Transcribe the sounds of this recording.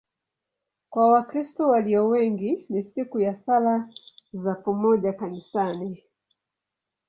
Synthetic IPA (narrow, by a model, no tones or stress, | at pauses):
kwawakɾistɔwaliɔwɛŋɡinisikujasalazapɔmɔʄakanisani